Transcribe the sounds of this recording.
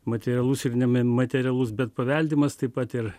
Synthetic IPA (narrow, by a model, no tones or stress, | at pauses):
mɐt̪ʲɛɾʲɛlˠʊsɪrnʲɛmɐt̪ʲɛɾʲɛlˠʊsbʲɛt̪̚pɐʋʲɛlʲd̪ʲɪmɐst̪ɐɪpɐt̪ɪr